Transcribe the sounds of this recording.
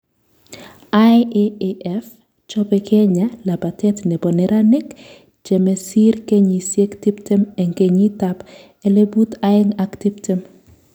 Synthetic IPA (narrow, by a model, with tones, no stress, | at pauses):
ajeeʔɛf | t͡ʃɔ˦pɛkɛ˦ɲa˦la˨ba˨tɛtnɛ˨bɔ˨nɛɾa˦nɛ˦k | d͡ʒɛ˨mɛ˨si˦ɾke˦ɲi˨sje˦kti˦ptɛ˦mɛ˨ŋɡe˨ɲi˦tap | ɛ˨le˦bu˦taɛŋakti˦ptɛ˦m